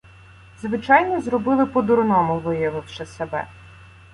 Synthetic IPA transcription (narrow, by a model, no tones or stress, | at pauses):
zʋɪt͡ʃɑjnɔzɾɔbɪlˠɪpɔd̪ʊɾnɔmʊʋɪjɐʋɪwʃɛsebɛ̰